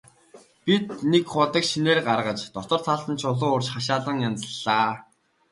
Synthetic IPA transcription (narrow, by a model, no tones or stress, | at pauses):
pit̪nekχʊt̪ə̆kʃineːrɢarʁə̆t͡ɕt̪ɔt̪ə̆r̥t͡s̪ʰaɮt̪ə̆nt͡ɕʰʊɮʊːʊrt͡ɕχaʃ̬aːɮə̆ŋjant͡sə̆ɮːaː